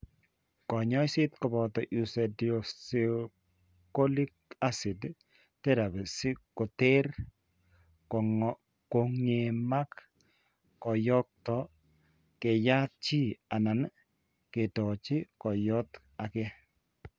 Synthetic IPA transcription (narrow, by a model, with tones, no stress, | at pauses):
kɔ˨ɲɔ˦jsɪ˦tkɔ˨bɔ˨tɔ˨ʔu˨sɛ˨dɔ˨si | ko˦li˦k̚a˦sɪ˨d | tɛ˦ɾa˨bɛ˨si˦kɔ˨te˦r | ko˨ŋe˨ma˦k | kɔ˨jɔ˦k̚tɔ˨ | kɛ˨ja˦t͡ʃi˦a˨na˨n | ke˨tɔ˨t͡ʃɪ˦kɔ˨jɔ˦t | a˨kɛ˦